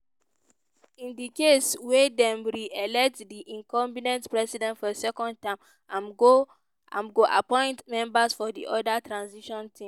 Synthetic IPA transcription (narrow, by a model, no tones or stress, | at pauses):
ĩndikeswedɛ̃mɾiʔɛlɛk̚tdiʔĩŋkʰɔ̃mbinɛ̃ntpɹɛsidɛ̃ntfɔsɛkɔ̃nd̚tãɪ̃m | ãmo | ã̰mɡoʔa̰pɔ̃ɪ̃ntmɛ̃mbasfɔdiʔɔdatɹãnsiʃɔ̃ntʰĩm